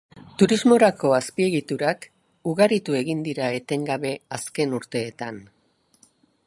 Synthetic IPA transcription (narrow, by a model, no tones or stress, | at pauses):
t̪uɾizmo̞ɾako̞aspie̞ɣit̪uɾak | uɣaɾit̪ue̞ɣind̪iɾae̞t̪e̞ŋɡaβe̞aske̞nuɾt̪e̞ːt̪an